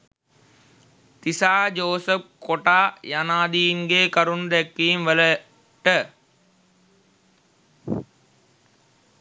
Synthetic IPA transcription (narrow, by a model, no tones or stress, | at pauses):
t̪isaːd͡ʒoːsəp̚koʈaːjanaːd̪iːnɡeːkɐɾund̪ɛkːiːmʋələ | ʈə